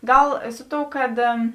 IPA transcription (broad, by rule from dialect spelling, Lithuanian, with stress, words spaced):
ˈɡɐlˠ ˈsʊ ˌtoːʊ ˈkɐt